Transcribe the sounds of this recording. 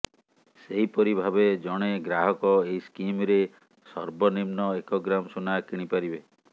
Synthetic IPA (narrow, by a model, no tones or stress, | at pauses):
seɦipɔɾibʱabed͡ʒɔɽ̃eɡɾaɦɔkɔeiskimɾe | sɔɾbɔnimnɔekɔɡɾamsunakiɽ̃ipaɾibe